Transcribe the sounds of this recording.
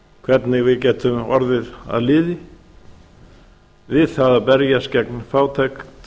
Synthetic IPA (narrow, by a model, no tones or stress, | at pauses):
kʰvɛɾt̪nɪɣvɪðcɛːt̪ʰʏmɔɾðɪða̰ðlɪːðɪ | vɪðθaðapɛɾjascɛknfaːwt̪ʰɛkt̪